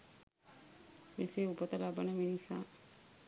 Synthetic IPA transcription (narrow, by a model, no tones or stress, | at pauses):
meseːupət̪əlabanɐminisa̰ː